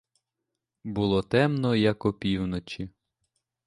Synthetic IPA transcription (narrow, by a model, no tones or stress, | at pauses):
bulˠɔt̪ɛmnɔjɐkɔpʲiwnɔt͡ʃi